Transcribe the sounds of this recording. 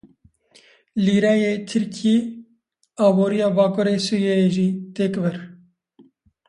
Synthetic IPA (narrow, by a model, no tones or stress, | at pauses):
liːɾɛjeːt̪ʰɨɾkʰeː | ɑːboːɾijɑːbɑːkʰoːɾeːsuːjejeʒiːt̪eːkvɛɾ